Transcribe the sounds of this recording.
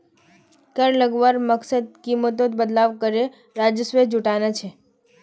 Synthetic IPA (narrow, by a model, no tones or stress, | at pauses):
kəɾləɡʋaɾməksəd̪̚kimət̪̬ot̪bəd̪laʋkəɾe | ɾad͡ʒəsʋed͡ʒuʈanat͡ʃʰe